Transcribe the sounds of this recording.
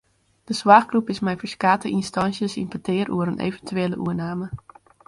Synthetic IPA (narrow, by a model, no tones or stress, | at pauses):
d̥əswaːχkrupɪsmɛjfəɹskaːtəʔinstɑnsjəsḭmpətɪːɾuəɾənʔḛːvəntyeːlə̰ʔṵənaːmə